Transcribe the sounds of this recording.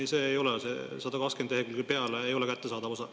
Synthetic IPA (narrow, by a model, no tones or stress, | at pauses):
iseːjo̞lesḛsɑd̪ɑkɑkskend̪eekylkupe̞ɑleejo̞lekæt̪ːe̞sɑːd̪ɑvo̞sɑ